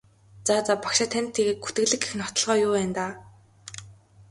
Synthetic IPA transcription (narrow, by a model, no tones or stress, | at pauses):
t͡sat͡sapakʃăt̪ʰːænʲt̪ʰːeɣeːt̪̚ɡut̪ɡɘ̆ɣɮɘ̆ɡexnɔt̪ɞ̆ɮʁœːjʊːpæːnt̪aː